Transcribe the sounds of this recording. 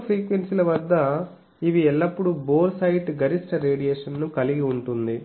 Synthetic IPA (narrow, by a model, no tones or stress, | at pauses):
pʰɾiːkʋensilɐʋɐd̪ːɐ | iʋiɛlːɐpːuɽuboːɾsɐjiʈɡɐɾisʈɐɾe̞ːɽijeːʂɐnːukɐliɡiuɳʈund̪i